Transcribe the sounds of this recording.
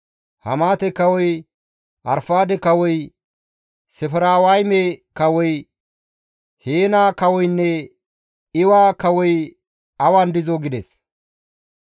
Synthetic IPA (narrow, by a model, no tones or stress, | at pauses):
hɐ̰maːt̪ɛkɐwɔj | ʔɐ̰ɾfaːd̪ɛkɐwɔj | sɛfɪɾaːwɐjmekɐwɔj | heːnaːkɐwɔjnːɛ | ɪwaːkɐwɔj | ɐwand̪ɪzoɡɪd̪ɛs